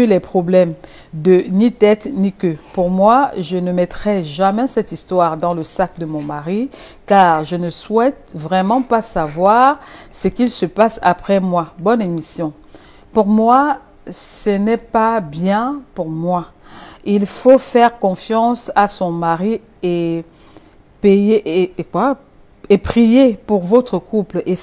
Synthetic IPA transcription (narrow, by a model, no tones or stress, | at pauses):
ylɛpχɔblɛm | d̪ənit̪ɛt̪nikøpuʁmwaʒənəmɛt̪ʁɛʒamɛsɛt̪ist̪waːʁd̪ɑ̃ləsakd̪əmɔ̃maʁi | kaːʁʒənəswɛt̪̚vʁɛmɑ̃pasavwaʁsəkilsəpasa̰pχɛmwabɔnemisjɔ̃ | puʁmwa | sənɛpabjɛ̃puʁmwa | ilfofɛʁkɔ̃fjɑ̃sasɔ̃maʁi | e | pejeʔkwa | epχijepuʁvot̪χəkuple